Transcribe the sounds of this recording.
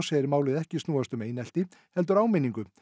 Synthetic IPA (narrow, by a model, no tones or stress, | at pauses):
seːɪɾmaːwlɪðɛhcɪst̪nuːast̪ʏmeːjnɛl̥t̪ɪhɛl̪t̪̬ʏɾaːwmeniŋkʏ